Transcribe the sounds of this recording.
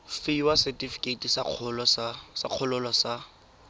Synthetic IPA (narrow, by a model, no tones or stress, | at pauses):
fɪiwasɛtifi̥kʼetisaq͡χʰɔlɔsasa̰q͡χʰʊlʊlɔsa